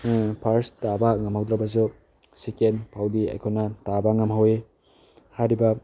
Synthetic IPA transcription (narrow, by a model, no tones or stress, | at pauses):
pʰaɾstabaŋɐmhawd̪ɾabɐs̬u | sekenpʰawdia̰jkʰonatabaŋɐmhawe | haɾibɐ